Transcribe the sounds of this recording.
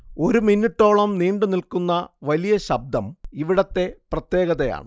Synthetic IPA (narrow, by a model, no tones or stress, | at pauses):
o̞ɾuminːuʈːo̞ːɭɐmniːɳɖɨnilkunːɐʋɐlijɐɕɐb̚d̪ʱɐmiʋiɽɐt̪ːe̞prɐt̪jeːɣɐðɐja̰ːɳɨ